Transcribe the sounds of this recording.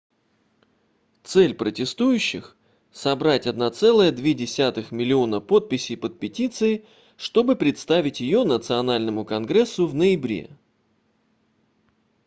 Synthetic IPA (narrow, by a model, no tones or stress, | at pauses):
t̪sɛlʲpɾətʲɪst̪ujʉɕːɪ̰x | sɐbɾatʲɐd̪nɐt̪sɛlˠəjəd̪vʲedʲɪsʲat̪ɨxmʲɪlʲɪo̞nəpo̞t̪̚pʲɪsʲɪpət̪̚pʲɪtʲit̪sɨɪ | ʂt̪o̞bɨpɾʲɪt̪st̪avʲɪtʲjɪjo̞nət̪sɨɐnalʲnəmʊkɐnɡɾɛsːʊvnəjɪbɾʲe̞̰